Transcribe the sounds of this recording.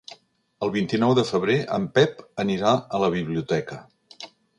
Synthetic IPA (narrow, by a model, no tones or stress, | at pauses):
əlˠβint̪inɔwðəfəβ̞ɾeʔə̰mpɛpəniɾaələβ̞iβ̞liut̪ɛkə